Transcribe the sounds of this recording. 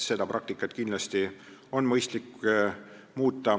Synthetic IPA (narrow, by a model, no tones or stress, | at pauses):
se̞d̪̥ɑpɾʔɑk̚t̪ikːˑɑt̪kind̪lɑst̪io̞nmɤjst̪likː | muːt̪ˑːɑ